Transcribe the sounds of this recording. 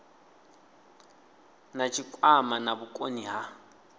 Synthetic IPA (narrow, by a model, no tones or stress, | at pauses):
nat͡ʃʰʼikʼwamanabukʼoniɦa